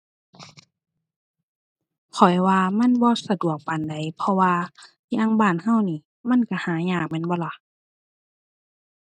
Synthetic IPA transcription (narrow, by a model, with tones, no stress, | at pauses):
kʰɔ˨˩jwaː˧ma˧˥˨nbɔː˧sa˧du˨˩ək̚pa˨nda˨˩jpʰɔ˧waː˧ | ɲaː˧˨ŋbaː˧˩˨nha˧˥˨wniː˧˩ | ma˧˥˨nka˧˩˨haː˨˦ɲaː˧˩k̚mɛ˧˥˨nbɔː˧˦la˧˩˨ʔ